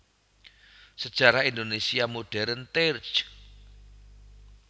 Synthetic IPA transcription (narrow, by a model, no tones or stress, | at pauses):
səd̥ʒ̥a̤ɾahind̪onesiamoɖ̥ɛɾənt̪ert͡ʃ